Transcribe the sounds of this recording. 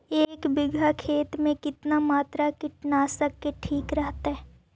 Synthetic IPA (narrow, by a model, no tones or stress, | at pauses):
eːkbɪɡʱakʰeːt̪mẽkɪt̪namaːt̪ɾakɪʈnaːsəkːeʈʰiːkɾəɦt̪aɦɛː